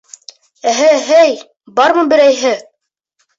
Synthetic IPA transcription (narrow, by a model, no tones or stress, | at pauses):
æɦɘɦæj | bɑɾmɤbɘ̆ɾæjɦɘ